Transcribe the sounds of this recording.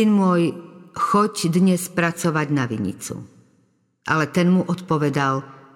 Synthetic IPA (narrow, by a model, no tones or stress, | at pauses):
inmʊɔjxɔcd̪ɲɛspɾat͡sɔʋaɟnaʋḭɲḭt͡sṵ | ʔa̰lɛt̪ɛnmuʔɔt̪pɔʋɛd̪al